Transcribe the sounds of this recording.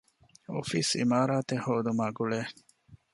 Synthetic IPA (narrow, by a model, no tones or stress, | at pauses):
o̰fisḭmaːɾaːt̪ehoːd̪umaːɡuɭeː